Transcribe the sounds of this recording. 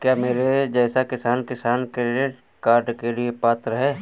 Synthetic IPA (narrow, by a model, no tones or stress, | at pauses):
kjaːmeːɾed͡ʒɛːsakɪsaːnkɪsaːnkɾɪɖɪʈ | kaːɾɖkeliepaːt̪ɾəɦɛː